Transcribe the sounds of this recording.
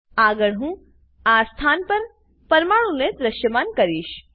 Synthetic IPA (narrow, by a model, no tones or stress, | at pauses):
aːɡəɽɦũ | aːst̪ʰaːnpɐɾ | pɐɾmaːɽũned̪ɾɐʃjəmaːnkɐɾiːʃ